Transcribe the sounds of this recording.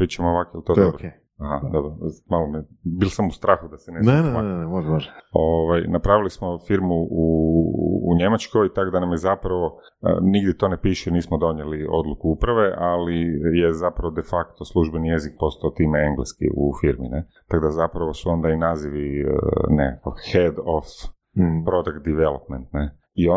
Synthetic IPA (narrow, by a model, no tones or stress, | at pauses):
pɾitt͡ʃemooʋakojelt̪od̪obɾoe | aɦad̪obɾomalomibilˠsamust̪ɾaːxud̪aseneenemaneɛmoʒoʒoʋajnapɾaʋilismofiɾmuṵː | ɲe̞mat͡ʃko̞jt̪akod̪anamjezapɾaʋo̞̰ | niɡd̪ʲjɛt̪o̞nepiʃeniːsmod̪o̞ɲjelio̞̰d̪lˠukuupɾaʋe̞ʔalije̞zapɾaʋod̪e̞fakt̪o̞slˠuʒbe̞nije̞zik̚po̞st̪aot̪iːmeeŋɡlḛskḭʔṵfiɾmḭnet̪aɡd̪azapɾaʋo̞suo̞nd̪ainaːziʋiənekakoxed̪of | pɾo̞d̪akt̪̚d̪iʋelop̚ment̪ne | io